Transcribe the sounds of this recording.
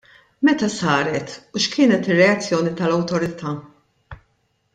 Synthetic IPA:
mɛt̪ɐsɐːɾɛt̪uʃkʰɪːnɛt̪ɪrːɛɐt͡sːjɔːnit̪ɐlɐwt̪ɔɾɪt̪ʰɐː

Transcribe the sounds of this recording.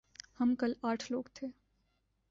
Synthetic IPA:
hɐmkɐlaːʈʰloːɡt̪ʰeː

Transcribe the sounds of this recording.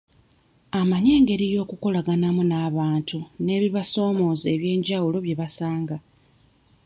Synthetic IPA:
amaɲe̞ːŋɡe̞ɾijo̞ːkuko̞laɡanamunaːβaːntune̞ːβiβaso̞ːmo̞ːze̞ːβje̞ːɲɟawulo̞βje̞βasaːŋɡa

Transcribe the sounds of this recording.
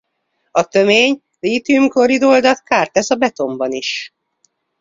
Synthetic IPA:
ɒt̪ø̞meːɲ | liːt̪ymkoɾid̪o̞ld̪ɒt̪̚kaːrt̪ɛsɒbɛt̪o̞mbɒniʃ

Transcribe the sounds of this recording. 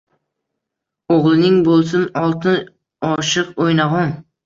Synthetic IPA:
oʁlˠɪnɪŋbolˠsɪnɒlˠt̪ɪn | ɒʃɨqojnaʁɒŋ

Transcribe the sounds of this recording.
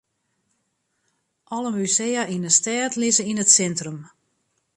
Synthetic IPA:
ʔɔləmysejaʔinəstɛːtlɪzəinətsɛntrəm

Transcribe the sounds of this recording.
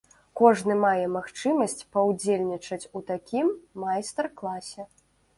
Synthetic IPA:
kɔʐnɨmajɛmaxt͡ʂɨmɐsʲt͡sʲpɐwd͡zʲelʲnʲit͡ʂɐt͡sʲut̪akʲimːajst̪ɛrklˠasʲɛ

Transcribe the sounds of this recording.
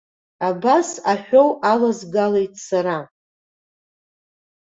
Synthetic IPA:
abasaħʷᶣo̞wʔalazɡalejtʰʼsaɾa

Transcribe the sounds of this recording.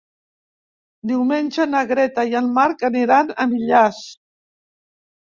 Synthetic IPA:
d̪iwmenʲʒənəɣɾɛt̪ajəlˠmaɾkəniɾanəmiʎas

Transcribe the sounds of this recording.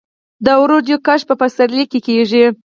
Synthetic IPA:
d̪əwɾod̪jokaʃpəpasaɾlikːekeʐi

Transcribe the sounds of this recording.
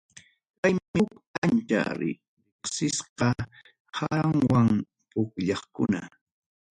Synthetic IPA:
pajɪkant͡ʃa̰ɾ̰ | ɾɪχsɪsqɑ | haŋwaŋ | pʊkʎɑχkʊ̰na̰

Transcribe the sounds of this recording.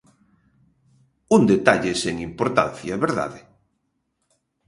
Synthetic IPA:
und̪et̪aʎeseŋimpoɾt̪a̰n̟θjaβeɾða̰ðe

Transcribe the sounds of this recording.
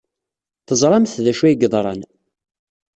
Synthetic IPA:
θəzˤɾˤɑmθðæʃæjɡðˤɾˤɑ̰n

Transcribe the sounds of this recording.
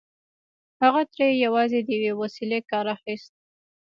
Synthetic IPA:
haɣat̪ɾejejawɑzed̪əjawewasilekɑɾaxist̪̚

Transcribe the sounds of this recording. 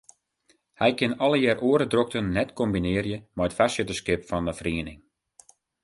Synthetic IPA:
hɛjkɪnɔləjɛːrʔoəɾədrok̚tənːɛtkɔmbinɪərjəmɛjətfasətəskɪpfɔnəfriənɪŋ

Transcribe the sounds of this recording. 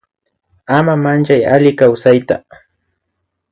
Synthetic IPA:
amamant͡ʃaja̰lɪkawsajt̪a̰

